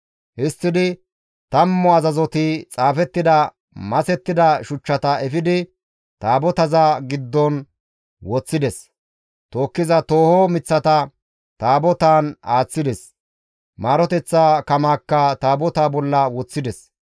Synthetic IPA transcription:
hɪst̪ːɪd̪ɪ | t̪ɐmːɔɐzɐzɔt̪ɪt͡sʼaːfɛt̪ːɪd̪ɐ | mɐsɛt̪ːɪd̪ɐʃʊt͡ʃːɐt̪ɐɛfɪd̪ɪ | t̪aːbɔt̪ɐzaɡɪd̪ːɔn | wɔt͡sːɪd̪ɛs | t̪o̞ːkːɪzɐt̪oːhɔmɪt͡sːɐt̪ɐ | t̪aːbɔt̪aːnaːt͡sːɪd̪ɛs | maːɾɔt̪ɛt͡sːaːkɐmaːkːɐt̪aːbɔt̪aːbɔlːɐwɔt͡sːɪd̪ɛs

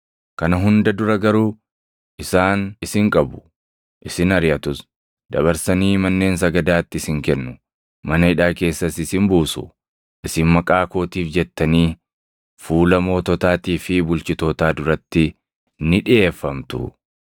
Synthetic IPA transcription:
kɐnɐɦʊnd̪ɐd̪ʊɾɐɡɐɾuː | ʔɪsaːnɪsɪŋkʼɐbʊ̥ | ʔɪsɪnɐɾɪjɐt̪ʊs | d̪ɐβɐɾsɐniːmɐnːe̞ːns̬ɐɡɐd̪aːt̪ːɪɪsɪŋkɛnːʊ | mɐnɐhɪᶑaːke̞ːsːɐsɪsɪmbuːsʊ̰ | ʔɪsɪnmɐkʼaːko̞ːt̪iːfd͡ʒɛt̪ːɐniː | fuːlɐmo̞ːt̪ɔt̪aːt̪iːfɪbʊlt͡ʃɪt̪o̞ːt̪aːd̪ʊɾɐt̪ːɪ | nɪᶑɪʔeːfːɐmt̪ʊ̰

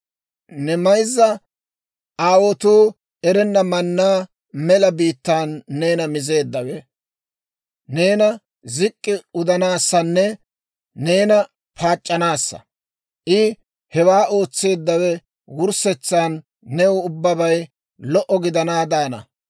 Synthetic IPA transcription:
nɛmɐjzːɐ | ʔaːwɔt̪uː | ɛɾɛnːɐmɐnːaː | mɛlɐbiːt̪ːaːnːe̞ːnɐmɪze̞ːd̪ːɐwɛ | ne̞ːnɐ | zɪkʼːɪʊd̪ɐnaːsːɐnːɛ | neːnɐ | pʰaːt͡ʃʼːɐnaːsːɐ̰ | ʔɪ | hɛwaːo̞ːt͡sːe̞ːd̪ːɐwɛ | wʊɾsɛt͡sːaːnː | ɛʊʊbːɐbɐj | lɔʔɔɡɪd̪ɐnaːd̪aːnɐ̰

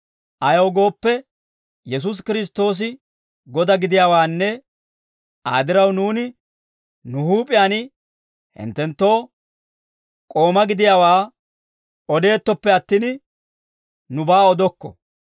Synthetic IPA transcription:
ʔɐjɐwɡo̞ːpːɛ | jɛs̬ʊs̬kɪɾɪs̬t̪ːo̞ːs̬ɪ | ɡɔd̪ɐɡɪd̪ɪjaːwaːnːɛ | ʔa̰ːd̪ɪɾɐwnuːnɪ | nʊhuːpʼɪjaːnɪ | hɪ̰nt̪ːɛnt̪ːo̞ː | kʼo̞ːmɐɡɪd̪ɪjaːwaː | ɔd̪e̞ːt̪ːɔpːɛɐt̪ːin | nʊbaːɔd̪ɔkːɔ̰

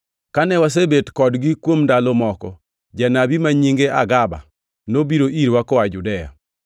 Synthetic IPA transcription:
kanɛwas̬ebetkɔdɡikwomndalomɔkɔ̰ | d͡ʒanabimaɲiŋɡeʔa̰ɡaba̰ | nobiɾoʔiɾwakɔad͡ʒudɛja̰

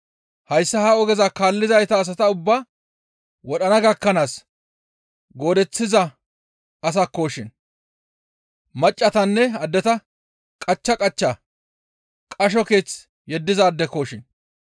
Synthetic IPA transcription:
hɐjsːɐhaːɔɡɛzɐkaːlːɪzɐjt̪ɐːs̬ɐt̪ɐʊbːa | wɔɗɐnɐɡɐkːɐnaːs | ɡo̞ːd̪ɛt͡sːɪzɐ | ɐs̬ɐkːo̞ːʃɪn | mɐt͡ʃʼːɐt̪ɐnːɛɐd̪ːɛt̪ɐ | kʼɐt͡ʃːɐkʼɐt͡ʃːɐ | kʼɐʃ̬ɔke̞ːt͡s | jɛd̪ːɪzɐːd̪ːɛko̞ːʃɪn

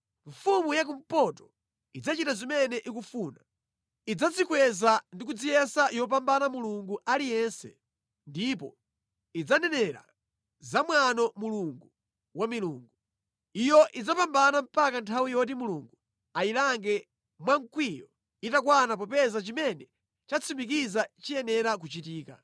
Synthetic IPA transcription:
ɱfumujak̬um̩pɔtɔ̥ | id͡zat͡ʃitazimɛnɛʔikufuːna | id͡zat͡sikwɛzandik̬ud͡zijɛsajɔp̬ambanamuluŋɡuʔalijɛnsɛ̰ | ndipɔ̰ | id͡zanɛnɛɾa̰ | zamwanɔmuluŋɡu | wamiluːŋɡu | ijɔʔid͡zapambanam̩pakantʰawijɔt̬imuluːŋɡu | ailaŋɡɛ | mwaŋkwijɔ | itakwanapɔpɛzat͡ʃimɛnɛ | t͡ʃat͡sʰimik̬izat͡ʃijɛnɛɾak̬ut͡ʃitiːka̰

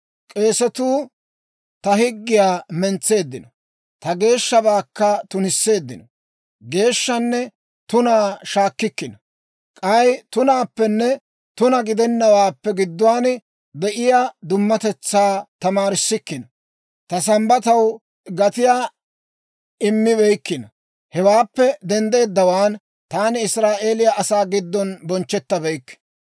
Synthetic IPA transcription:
kʼe̞ːsɛt̪uː | t̪ɐhɪɡːɪjaːmɛnt͡sːe̞ːd̪ːɪnɔ | t̪ɐɡe̞ːʃːɐbaːkːɐt̪ʊnɪsːe̞ːd̪ːɪnɔ | ɡe̞ːʃːɐnːɛ | t̪ʊnaːʃaːkːɪkːɪnɐ | kʼɐjt̪ʊnaːpːɛnːɛ | t̪ʊnɐɡɪd̪ɛnːɐwaːpːɛɡɪd̪ːʊwaːn | b̪ɛʔɪjaːd̪ʊmːɐt̪ɛt͡sːaːt̪ɐmaːɾɪsːɪkːɪnɐ | t̪ɐsɐmbɐt̪ɐw | ɡɐt̪ɪjaː | ɪmːɪβɛjkːɪnɐ | hɛwaːpːɛd̪ɛnd̪e̞ːd̪ːɐwaːn | t̪aːnɪɪsɾaːʔeːlɪjaʔɐsaːɡɪd̪ːɔnbɔnt͡ʃːɛt̪ːɐbɛjkː

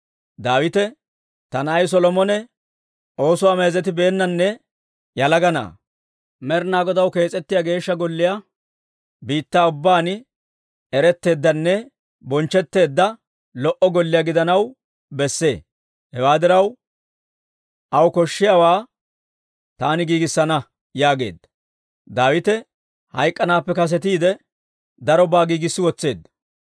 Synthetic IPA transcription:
d̪aːwɪt̪ɛ | t̪ɐnːjs̬ɔlɔmɔnɛ | ʔo̞ːsʊwame̞ːzɛt̪ɪbe̞ːnːɐnːɛ | jɐlɐɡɐna̰ː | mɛɾnaːɡɔd̪ɐwke̞ːt͡sʼɛt̪ːɪjaɡe̞ːʃːɐɡɔlːɪja | biːt̪ːaːʊbːaːn | ɛɾɛt̪ːe̞ːd̪ːɐnːɛ | bɔnt͡ʃːɛt̪ːe̞ːd̪ːɐ | lɔʔɔɡɔlːɪjaɡɪd̪ɐnɐw | bɛsːe̞ː | hɛwaːd̪ɪɾɐw | ʔɐwkɔʃːɪjaːwaː | t̪aːnɪɡiːɡɪsːɐnɐ | jaːɡe̞̰ːd̪ːɐ̥ | d̪aːwɪt̪ɛ | hɐjkʼːɐnaːpːɛkɐs̬ɛt̪iːd̪ɛ | d̪ɐɾɔbaːɡiːɡɪsːɪwɔt͡sːe̞ːd̪ːɐ̥

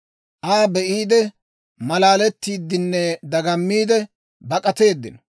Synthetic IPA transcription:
ʔaːbɛʔiːd̪ɛ | mɐlaːlɛt̪ːiːd̪ːɪnːɛd̪ɐɡɐmːiːd̪ɛ | bɐkʼɐt̪e̞ːd̪ːɪnɔ

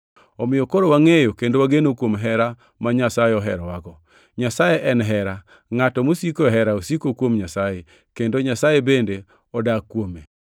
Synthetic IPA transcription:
ɔmɪjɔkoɾowaŋejokendowaɡenokwomɦɛɾa | maɲasajeɔɦɛɾɔwaɡɔ | ɲasajeʔɛnɦɛɾa | ŋatɔmosikoɦɛɾaosikokwomɲasaje | kendoɲasajebende | ɔdakːwome

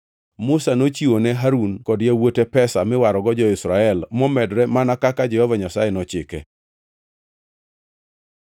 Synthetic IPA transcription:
mʊsanot͡ʃiwonɛɦaɾunkɔdjewotepɛsamɪwaɾɔɡɔd͡ʒɔɪsɾaɛlmɔmɛdɾɛmanakakad͡ʒɛhɔvaɲasajɛnɔt͡ʃɪkɛ̰

